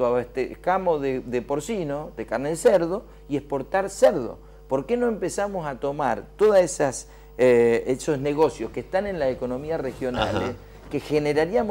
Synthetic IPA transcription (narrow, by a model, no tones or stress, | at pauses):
aet̪ekamoðeðepo̞ɾsinoðekaɾneðseɾðo̞ | iehpo̞ɾt̪aɾseɾðo̞̰ | po̞ɾke̞no̞empe̞samo̞sat̪o̞maɾt̪o̞ðasesas | eeso̞zne̞ɣo̞sjo̞skeht̪anẽ̞nlaseko̞no̞miarexjo̞na̰lḛs | kexeneɾaɾiamo